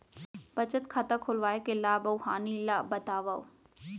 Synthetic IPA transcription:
b̥ɐt͡ʃət̪kʰɐt̪akʰolʋaːekelaːbɐwhaːnilaːbɐt̪aːʋao̰

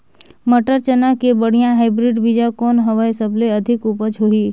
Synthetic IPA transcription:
məʈəɾt͡ʃənakebəɽ̤ijãɦaɪbɾɪɖbid͡ʒakɔːnɦəʋajsəbleɐd̪ʱɪkupət͡ʃɦoiː

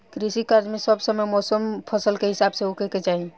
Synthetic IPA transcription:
kɾisikad͡ʒmesəbsəməjmɔsəmpʰəsəlkeɦisabseɦokeket͡ʃaɦi

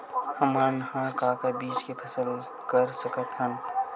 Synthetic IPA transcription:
həmanhãːkaːkabiːt͡ʃkepʰɐsəl | kəɾsəkət̪ɦən

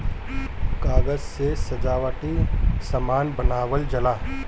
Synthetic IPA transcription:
kaːɡəzsesɐd͡ʒaːwəʈisɐmaːnbənaːwəld͡ʒɐlaː

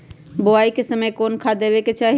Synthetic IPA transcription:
boaikesəməjkonkʰad̪ebɛket͡ʃaɦi

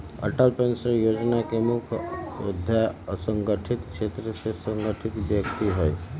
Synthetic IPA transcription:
ə̰ʈəlpensəɾjoːd͡ʒnakemukʰo̰d̪ʱjaəsəŋɡəʈʰit̪kʃet̪ɾəsesəŋɡəʈʰit̪bjəkt̪iɦɛj

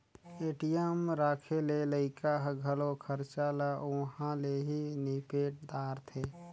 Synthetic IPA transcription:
eːʈijəmɾaːkʰeleləɪkaɦɡʱəlokʰəɾt͡ʃalaʔuɦãleɦinipeʈ̚d̪aːɾt̪ʰe

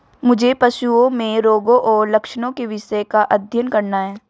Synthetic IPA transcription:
mʊd͡ʒʱepɐʃuõmẽɾoːɡõʔɔːɾlɐkʃnõkeʋɪʃəkaʔɐd̪ʱjənkɐɾnaɦɛː

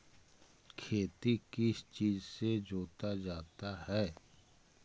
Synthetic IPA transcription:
kʰeːt̪ikɪst͡ʃiːzsed͡ʒoːt̪ad͡ʒaːt̪ahɛː

